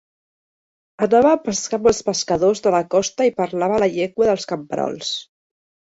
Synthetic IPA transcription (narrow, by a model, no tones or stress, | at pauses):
ənaβəːpəskambəlˠspəskəðozðələkɔst̪əipəɾlaβələʎɛkwəðəlˠskəmpəɾɔ̰lˠs